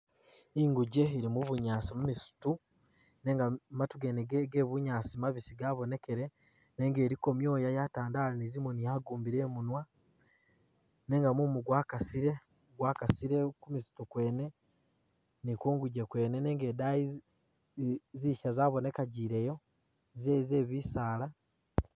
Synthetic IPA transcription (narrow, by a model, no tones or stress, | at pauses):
iŋɡuɟe̞iɾimuβuɲaːsimumisu̥tu | ne̞ːŋɡamatuɡeneɡɡeːβuɲaːsimaβisiɡaːβo̞nekeɾe | ne̞ːŋɡe̞ːɾiko̞mjo̞ːjajataːndaːlanizimonijaɡuːmbiɾe̞ːmunwa | ne̞ːŋɡamumuɡwaːkasiɾe̞ | uɡwaːkasiɾekumisu̥tukwe̞ːne̞ | nikoːŋɡuɟe̞kwe̞ːnene̞ːŋɡeːdai | ziʃazaːβo̞ne̞kaɟiːɾe̞jo̞ | zezeːβisaːla